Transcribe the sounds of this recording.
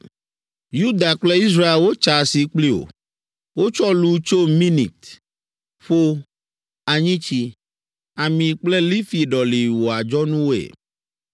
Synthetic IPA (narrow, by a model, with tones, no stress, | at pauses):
ju˦d̪a˨k͡ple˦i˦s̬ɾa˦e˨lwo˦t͡ʃa˨si˨k͡pli˦o̰˨ | wo˦t͡ʃɔ˦lu˦t͡ʃo˦mĩ˦nḭ˨t̪ | ɸo˦ | a˨ɲĩ˦t͡ɕi˦ | a˨mĩ˨k͡ple˦li˦fi˨ɖɔ˨li˨wo˨a˨d͡ʒɔ˦nũ˦wo˦ḛ˨